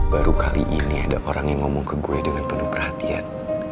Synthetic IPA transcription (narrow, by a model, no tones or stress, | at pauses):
baɾukaliʔiniadaʔoɾaŋjaŋːomɔŋkəɡuedəŋanpənʊhpərhat̪ia̰n